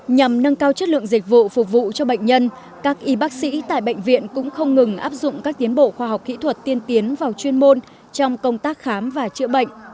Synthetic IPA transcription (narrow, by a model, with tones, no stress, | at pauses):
ɲa˨˩mnə˧ŋkaː˧wt͡ɕə˦˥t̚lɨ̰˧˨əŋzi˨˩k̟̚vṵ˧˨fʊ˨˩k͡p̚vṵ˧˨t͡ɕɔ˧ɓə̰˧˨jŋ̟ɲə˧n | kaː˦˥k̚ʔi˨˦ɓaː˦˥k̚sḭ˧˥t̪a̰ː˧˨jɓə̰˧˨jŋ̟vḭ˧˨ənkʊ̰˧˥ŋ͡mxə˧wŋ͡mŋɨ˨˩ŋʔaː˦˥p̚zʊ̰˧˨ŋ͡mkaː˦˥k̚t̪i˨˦ənɓo̰˧˨xwaː˧ɦa˨˩wk͡p̚kḭ˧˥t̪ʰwə˨˩t̚t̪i˧ənt̪i˨˦ənvaː˨˩wt͡ɕwi˧ənmo˧n | t͡ɕɔ˧wŋ͡mkə˧wŋ͡mt̪aː˦˥k̚xaː˨˦mvaː˨˩t͡ɕɨ̰˧˥əɓə̰˧˨ŋ̟